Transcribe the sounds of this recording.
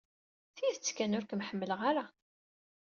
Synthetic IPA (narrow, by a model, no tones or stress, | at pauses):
θiiðt͡sːkːænʊɾkəmħəmːələʁaɾa